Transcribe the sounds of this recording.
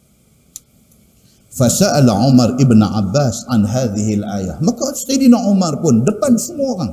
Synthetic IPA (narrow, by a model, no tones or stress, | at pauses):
fasaʔalaʕʊmaɾˤʔɪbnʕa̰bːaːsʕanɦaːðɪhɪlʔaːjamakːasqidinaʕʊmaɾˤbʊndəpːansəmoqaŋ